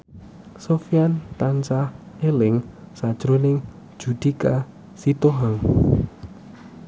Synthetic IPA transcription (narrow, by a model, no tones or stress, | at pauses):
sofijant̪ant͡ʃah | elɪŋsad̥ʒ̥ɾonɪŋ̥ | ʒ̥ud̪̥ika | sit̪oɦaŋ